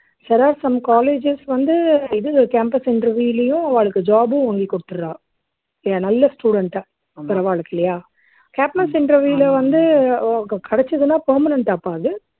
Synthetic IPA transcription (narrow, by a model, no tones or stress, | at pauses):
sɛɾaːɾsɐmkaːleːd͡ʒɪsʋɐnd̪ɯɪðɯkeːmpɐsɪɳɖɾɐɾʋjuːɪlɐjʊ̃ɐʋaːɭɯkːɯd͡ʒaːbɯ̃ʋaːŋɡikːɔɽɯt̪ːɯɾɯɾãː | anɐlːɐsʈuːɽɐɳʈa | pːɪɾɐʋaːɭɯkːɪlɐjaː | kaːpnɐsɪɳɖɾɐɾʋjuːɪlɐʋɐnd̪ɯɡɐkʰɐɽɛt͡ʃːɐðɯnaːpɐːɾmɐnɐɳʈaːpːaːðɯ